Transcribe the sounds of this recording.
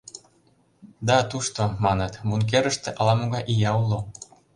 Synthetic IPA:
d̪ɑt̪uʃt̪omɑnɤ̆t̪munk̬eɾəʃt̪eʔɑlɑmoɣɑjʔijɑulo

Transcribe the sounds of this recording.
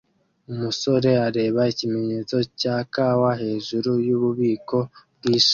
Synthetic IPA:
umuso̞ɾe̞aɾe̞ːβaicime̞ɲe̞ːt͡so̞caːkaːwaɦe̞ːʒuɾujuβuβiːko̞bɡiʃ

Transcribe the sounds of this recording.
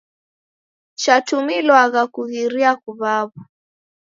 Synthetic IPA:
t͡ʃatumilɔaɣakuɣiɾiakuβaβa

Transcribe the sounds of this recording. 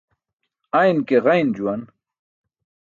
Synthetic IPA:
ajnkeɣɐjnd͡ʑuwɐn

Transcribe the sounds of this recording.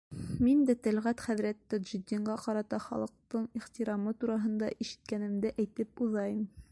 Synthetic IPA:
mind̪æt̪æ̆lʁæt̪χæðɾæt̪ːæd̪ʒɪ̆d̪iɴɢɑqɑɾɑt̪ɑχɑ̰lˠɤ̆q̚t̪ɤɴiχt̪iɾɑmɤt̪uɾɑɦɤ̆nd̪ɑʔiʃɘ̥̆t̪̚kænɘ̆md̪ɘʔæjt̪ɘp̚uðɑjɤm

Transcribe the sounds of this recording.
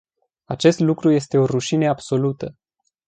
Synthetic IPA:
at͡ʃe̞st̪lukɾuje̞st̪e̞o̞ruʃineabso̞lut̪ə

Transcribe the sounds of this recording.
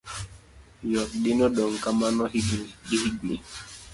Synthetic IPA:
jɔt̪̚dɪnɔdɔŋkamanɔhiɡdihiɡni

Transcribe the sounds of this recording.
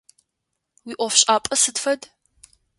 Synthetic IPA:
wiːʔʷɔfɕʼaːpʼɐsɨdfɐd

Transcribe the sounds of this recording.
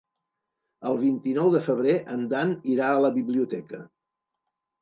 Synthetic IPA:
əlˠβ̞int̪inɔwðəfəβ̞ɾeʔənd̪aniɾaələβiβliut̪ɛkə

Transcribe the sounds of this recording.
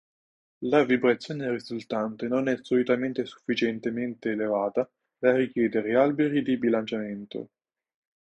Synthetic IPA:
lavibɾat̪sːjoːnerizult̪ant̪enonɛsːolit̪ament̪esu̥fːit͡ʃent̪ement̪eːlevaːt̪a | d̪arːik̟jɛːd̪eɾealbeɾid̪ibilant͡ʃament̪o̰

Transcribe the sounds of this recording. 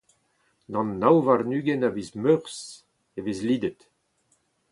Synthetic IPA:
nɑ̃nːawvaʁnyːɡɛnavizmøʁs | evezliːd̪ət̪

